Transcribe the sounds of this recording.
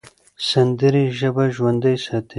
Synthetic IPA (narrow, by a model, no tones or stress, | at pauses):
sand̪əɾiʒəbaʒwand̪ajsɑːt̪ʰe